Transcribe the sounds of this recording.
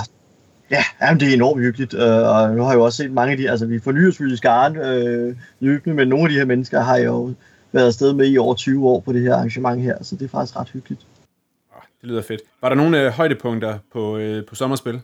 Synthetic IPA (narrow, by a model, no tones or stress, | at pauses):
jæjæmn̩d̥e̝æɐe̝nɒ̰ːm̥hyɡ̥lid̥øɒ̽nuhɑ̈io̝ɒ̽sse̝̰ːd̥mɑ̈ŋəæd̥iæls̬əʋifɒ̽ny̰ːɐsʋyisɡ̥ɑ̈ːnø | øːb̥nəmenːo̝ːnæd̥iheɐmenəsɡ̥ɐɦɑ̈joʊ | ʋæɐðˠsd̥eð̞ˠmeiɒʊ̰ɐt͡sʰyːʊəɒ̰ːpʰɒ̽ɾ̥e̝ɦeɐ̰ɑ̈ŋɕəmɑ̈ŋɦeɐ̰ælsəd̥e̝æfɑ̈ɡ̥isɡ̥ʁɑ̈d̥hyɡ̥lid̥ | ɒd̥elyːð̰ˠɐfe̝d̥ʋɑ̈ɾɑ̈no̝ːn̩ɦɒ̽ɪd̥əpʰɔ̽ŋ̰d̥ɐpʰɒ̽pʰɒ̽sɒ̽mɐsb̥e̝l